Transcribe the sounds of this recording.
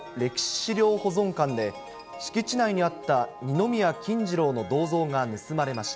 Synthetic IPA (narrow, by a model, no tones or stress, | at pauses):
ɾe̞ki̥ɕi̥ɕiɾʲo̞ːho̞zõ̞ŋkãnd̪e̞ | ɕi̥kʲit͡ɕinaiɲ̟iat̪ːaɲ̟ino̞mʲijakʲĩɲd͡ʑiɾo̞ːno̞d̪o̞ːzo̞ːŋanɯ̟sɨmaɾe̞maɕi̥t̪a